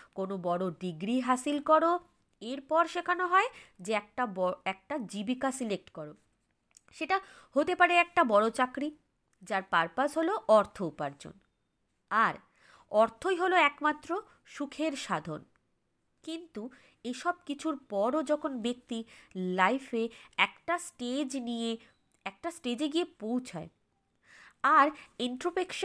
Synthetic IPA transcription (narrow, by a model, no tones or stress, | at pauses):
konobɔɽoɖiɡɾiɦasilkɔɾo | eɾpɔɾʃekʰanoɦɔed͡ʑeɛk̚ʈabɔɛk̚ʈad͡ʑibikasilek̚ʈkɔɾo | ʃeʈahot̪epaɾeɛk̚ʈabɔɽot͡ɕakɾi | d͡ʑaɾpaɾpasɦoloʔɔɾt̪ʰoupaɾd͡ʑo̰n | aɾ | ɔɾt̪ʰojɦoloɛkmat̪ːɾo | ʃukʰeɾʃad̪ʱon | kint̪u | eʃɔb̚kit͡ɕʰuɾpɔɾod͡ʑɔkʰonbek̚t̪ilajfeɛkʈasʈed͡ʑnije | ɛk̚ʈasʈed͡ʑeɡiepowt͡ɕʰae | aɾeɳʈɾopekʃ